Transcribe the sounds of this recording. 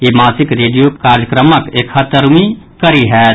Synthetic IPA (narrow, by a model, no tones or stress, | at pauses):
jimaːsɪkɾeːɖijopkaːɾjəkɾəməkeːkʰət̪əɾmi | kəɾiɦɛː